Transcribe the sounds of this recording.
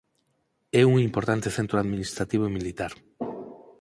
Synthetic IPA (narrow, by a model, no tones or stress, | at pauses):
ɛuŋimpoɾt̪ant̪eθent̪ɾoaðminist̪ɾat̪iβ̞oemilit̪aɾ